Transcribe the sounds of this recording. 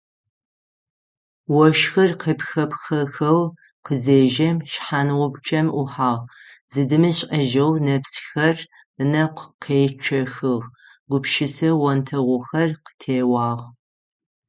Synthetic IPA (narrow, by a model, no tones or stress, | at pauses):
wɔʃxɐrqʰəpxɐpxɐxɐw | qəzeːʒɐmʃħanwʊbt͡ʃʰʼɐmʔʊħaːʁ | z̥ɨdɨmɨɕʼɐʒɐwnɐpsxɐr | ɨnɐqʷqʰeːt͡ʃʰɐxɨʁ | ɡ̥ʷʊpʃɪsɐwɔntʰɐʁʷʊxɐrqə̥tʰeːwɑːʁ